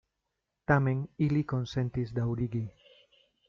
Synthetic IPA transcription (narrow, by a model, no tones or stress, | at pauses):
t̪ameŋilikonsent̪izd̪awɾiɡi